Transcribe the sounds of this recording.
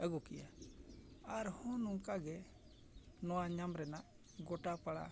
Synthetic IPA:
əɡɔkija | aɾhɔ̃nɔŋkaɡɛ | nɔwaɲamɾɛnaʔ | ɡɔʈapaɽa̰

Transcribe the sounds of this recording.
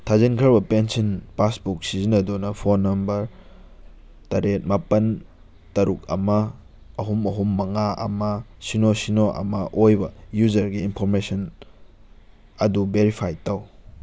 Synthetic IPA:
tʰazinkʰɐɾbɐpensɐnpasbuk̚sizinɐdunɐpʰonːɐmbɐɾ | tɐɾet̚mapɐn | tɐɾuk̚ɐ̰mɐː | ɦumɐɦumːɐŋaʔɐ̰mɐsinosinoʔɐ̰mɐʔojbɐjud͡ʒɐɾɡiːnpʰoɾmesɐn | ɐdubeɾipʰajtɐw

